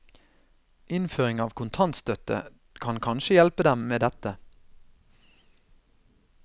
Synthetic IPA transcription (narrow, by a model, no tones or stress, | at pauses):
ɪnføːʁɪŋɑːʋkʰʊnt̪ʰɑnt̪st̪œt̪ə̰ | kʰɑnkʰɑnʃəjɛlpəd̪ɛmmeːd̪ɛt̪ə